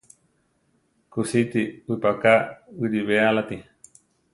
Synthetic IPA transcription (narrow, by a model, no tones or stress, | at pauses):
kusit̪iɨpakaiɾiβealat̪i